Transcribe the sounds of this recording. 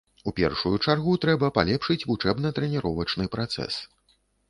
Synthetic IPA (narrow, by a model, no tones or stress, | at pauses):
upʲɛ̰rʂujut͡ʂarɣut̪ɾɛbɐpalʲɛpʂɨt͡sʲvut͡ʂɛbnɐt̪ɾɛnʲɛɾɔvɐt͡ʂnɨpɾat̪sɛ̰s